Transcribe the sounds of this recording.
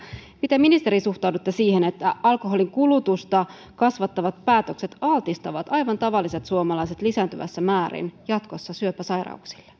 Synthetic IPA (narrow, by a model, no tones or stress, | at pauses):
mit̪æminist̪eɾisuht̪ɑwdut̪ːesiːhenet̪ːæɑlkoɦo̞liŋkulut̪ust̪ɑ | kɑsʋɑt̪ːɑʋɑt̪̚pæːt̪ø̞kse̞t̪ɑlt̪ist̪ɑʋɑt̪ɑjʋɑnt̪ɑʋɑlːiset̪suomɑlɑjse̞t̪lisæːnt̪yʋæ̰sːæmæːɾḭnjɑt̪ko̞sːɑsyøpːæsɑjrɑ̰uksi̥lːe̥